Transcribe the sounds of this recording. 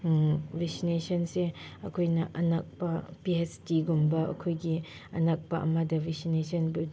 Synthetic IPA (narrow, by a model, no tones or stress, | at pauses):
vɛksinesɐnseɐ̰kʰojnɐʔɐnak̚pɐpiestiɡumbɐʔɐ̰kʰojɡi | ɐnak̚pɐʔɐ̰madɐvʱɛsinesɐnbild